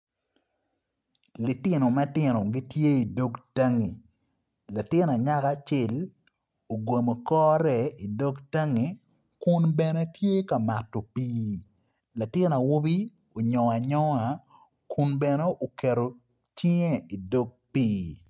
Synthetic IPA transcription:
lɪ˨tɪ˦no˨ma˦tɪ˨no˨ɡi˦tje˦i˨do˦kta˦ŋi˨ | la˨tɪ˦na˨ɲa˦ka˦t͡ʃɪ˦˨l | o˨ɡo˨mo˨kɔː˦ɾɛ˨i˨do˦kta˦ŋi˨ | kʊ˦nbɛ˨ne˦tje˦ka˨ma˨tːo˨piː˦ | la˨tɪ˦na˨wo˦bi˦ | o˨ɲɔ˨a˨ɲɔ˦a˨ | kʰʊ˦nbɛ˨ne˦ʔo˨ke˨ɾo˨ | t͡ʃɪ˦ɲe˦i˨do˦ɡ̚piː˦

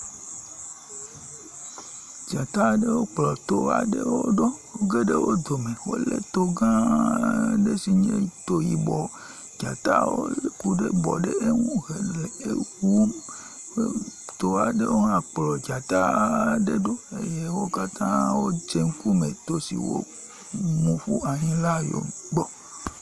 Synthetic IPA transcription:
d͡ʒa˨t̪a˦ɖe˦wo˦k͡plɔ˨t̪o˦a̰˨ɖe˦wo˦ɖo˦wo˦ɡe˦ɖe˦wo˦d̪o˨me˨wo̰˦lḛ˦t̪o˦ɡã˦ | ɖe˦si˨ɲẽ˦t̪o˦ji˨bɔ˨ | d͡ʒa˨t̪a̰˦wo̰˦le˦ku˦ɖe˦bɔ̰˨ɖe˦ʔe˦ŋũ˦ɣe˨le˨e˦wu˦m | e˦t̪o˨a˨ɖe˦wo˦nã˨k͡plɔ˨d͡ʒa˨t̪a˦ɖe˦ɖo˦e˦je˦wo˦ka˦t̪ã˦wo˦d͡ʒe˦ŋ˦ku˦me˨t̪o˦sḭ˨wo̰˦ | mũ˨ɸu˦a˨ɲĩ˦la˦jo̰˨ɡ͡bɔ˦

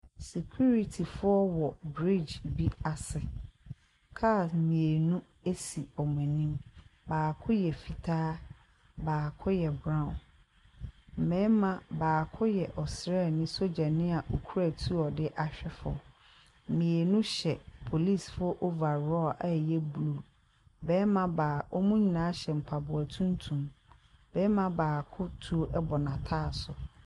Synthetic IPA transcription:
se˨kʰu˦ɾi˦tʰi˨fʊ˦ɔ˦wɔ˨bɾi˦˨d͡ʒbi˦a˨sɪ˨ | kʰa˦˨smĩ˨e˨nũ˦ | e˦si˨ɔ˨m˨ɛ̃˨nĩ˦mbaː˨kʰʊ˦jɛ˨fi˨tʰaː˦ | baː˨kʰʊ˦jɛ˨bɾã˦˨ʊ̃˨n | m̩˨mɛ̃˦mã˨baː˨kʰʊ˦jɛ˨ʔɔ˨sɾeɛ˦˨nɪ̃˦so˦d͡ʑa˨nɪ̃˦a˨ʔo˨kʰu˦ɾæ˨tʰu˦ɔ˨dɪ˦ʔa˨ɕᶣɛ˦fʊ̰˨ | mĩ˨e˨nũ˦ɕɛ˨pʰo˨li˦˨sfʊ˦ʔo˦va˨ɾɔ˦˨ʔa˦˨jɛ˦bu˨lu˦˨ | bɛː˦mã˦baː˨ɔ˦mũ˦ɲĩ˨nãː˨˦ɕɛ˨m̩˨pʰa˨bʊ˨a˨tʰũ˦n˦tʰũ˨mbɛː˦mã˦baː˨kʰʊ˦tʰu˦o˦ʔɛ˦bɔ˨nã˨tʰaː˦˨sʊ˨

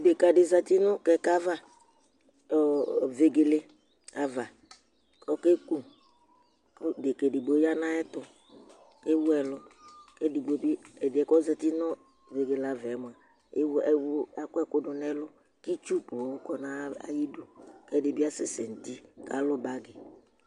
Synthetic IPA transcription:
be˨ka˨dɪ˨za˨ti˦nʊ˦kɛ˨ka˦va˦˨ | ve˨ɡe˨le˦ | a˨va˨ | ɔ˦ke˦ku˦ | kdɪ˨ke˨di˨ɡ͡bo˨˦ja˦nã˦ɛ˦t̪ʊ˨ | ke˦wʊ˦ɛ˨lʊ˦ke˦di˨ɡ͡bo˨˦bi˦ɛ˨dɪ˨ɛ˨kɔ˦zɛ˨ti˦nɔ˦ | ve˨ɡe˨la˨vɛ˨˦mʊ˨a˨ | e˦wɛ˦wa˨kɛ˦kʊ˦dʊ˨nɛ˦lʊ˦ | ki˦t͡ʃu˦po˨ʊ˦kɔ˨nã˦a̰˨ji˦dʊ˨kɛ˦dɪ˨bɪ˦a˦sɪ˦sɛ˨n̩˨ti˦ka˨lʊ˦ba˨ɡɪ˨

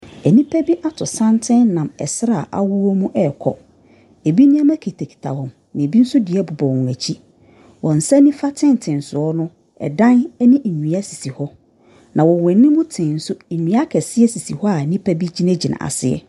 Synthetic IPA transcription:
ɛ˨nĩ˦pʰæ˦bi˦ʔa˦tʰʊ˨sã˦ntʰɪ̃˦nnã˨mɛ˨sɾa˨ʔa̰˨wʊ˦wɔ˦mũ˦ʔɛ˨kʰɔ̰˦ | e˨bi˦nĩ˦a˦mæ˦kʰe˨tʰe˨kʰi̥˨tʰa˨hɔ̃˨m | nɪ̃˨bi˦n̩˦sʊ˦dɪ˨ɛ˦bʊ˨bɔ̃˨wɔ̃˨æ˨t͡ɕʰi˦ | wʔɔ̃˨n̩˨sɛ˦nĩ˦fa˦tʰɪ̃˦n˨tʰɪ̃˨n̩˨sʊ˨ɔ˦nʊ̃˦ | ɛ̰˨dã˦nɛ˦nĩ˦ʔ̩˨ɲũ˨a˦si˨si˨hɔ˦ | nʔã˨wɔ̃˨wɛ̃˨nːɪ̃˦mʊ̃˦tʰɪ̃˨n̩˨˦sʊ˦˨ɲũ˨˦a˦kʰɛ˨sɪ˦ɛ˦si˨si˨hɔ˦a˨nĩ˦pʰæ˦bi˦d͡ʑi˦nɛ̃˦d͡ʑi˨nã̰˨a̰˨sɪ˨ɛ̰˦

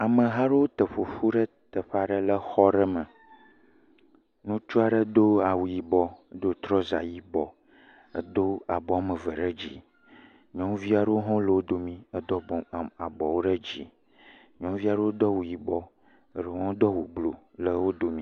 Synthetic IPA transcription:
a˨mə˨ɦa˦ɖə˦wo˦t̪ə˨ɸo˨ɸu˦ɖə˦ | t̪ə˨ɸa˨ɖə˦lə˦xɔ˦ɖə˦mə˨ | nũ˦t͡ʃu˦a˨ɖə˦d̪o˦a˨wu˨ji˨bɔ˦ə˦d̪o˦t̪ɾɔ˦za̰˨ji˦bɔ˨ | ə˦d̪o˦a˨bɔ˨a˨mə˨və˨ɖə˦d͡ʑḭ˨ | ɲɔ̃˦mvi˦a˨ɖə˦o˦ɦɔ̃˦lə˨wo˦d̪o˨mĩ˦ə˦d̪ɔ˦˨a˨bɔ˨wo˦ɖə˦d͡ʑḭ˦ | ɲɔ̃˦mvi˦a˨ɖə˦wo˦d̪ɔ˦wu˨ji˨bɔ˦˨ | ɖə˦ɦɔ̃˦d̪ɔ˦wu˨blo̰˨lə˨wo˦d̪o˦mĩ˦

